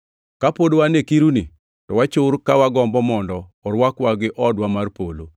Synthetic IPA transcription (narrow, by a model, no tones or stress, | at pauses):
kapodowanekiɾuni | tɔwat͡ʃʊɾkawaɡɔmbɔmɔndɔːɾwakwaɡɪʔɔdwamarpolo̰